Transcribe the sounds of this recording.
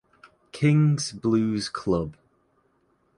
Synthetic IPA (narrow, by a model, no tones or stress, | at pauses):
kʰɪ̃ŋzblʉːz̥kʰl̥ʌb̥